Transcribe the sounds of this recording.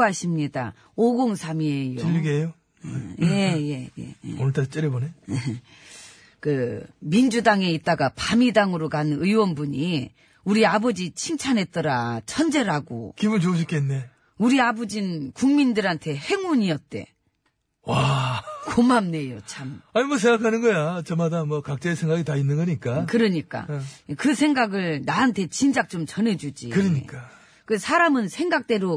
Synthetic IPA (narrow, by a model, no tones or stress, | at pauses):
aɕʰimɲida̰ | oɡoŋsʰamiejoiʎːiɡejo | jje̞je̞jḛḛoɭtʰat͡ɕ͈iɾeboneje | kɯmind͡ʑudaŋe̞it̚t͈aɡapamidaŋɯɾokanɯnɯiwʌnbuɲi | uɾiabʌd͡ʑit͡ɕʰiŋt͡ɕʰanɦe̞t̚t͈ʌɾat͡ɕʰʌnd͡ʑe̞ɾaɡo̰kimunt͡ɕouɕ̬ʰik͈ʰenːe̞ | uɾiabʌd͡ʑinnkuŋmindɯɾɦantʰe̞he̞ŋuɲiʌt̚t͈e̞̰ | wakomamne̞jot͡ɕʰamaɲimʌs̬ʰeŋɡakʰanɯnɡʌjat͡ɕʌmadamwʌkak̚t͡ɕ͈eesʰeŋɡaɡitainːɯnɡʌɲik͈akɯɾʌɲik͈a̰kɯsʰe̞ŋɡaɡɯɭnaɦantʰe̞t͡ɕind͡ʑak̚t͡ɕ͈omt͡ɕʌne̞d͡ʑud͡ʑḭkɯɾiɲik͈a | kɯsʰaɾamɯnsʰe̞ŋɡak̚t͈e̞ɾo